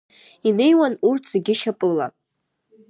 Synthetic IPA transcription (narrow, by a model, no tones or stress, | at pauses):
ine̞jwanurtʰzeɡʲɪʃapʼɨla̰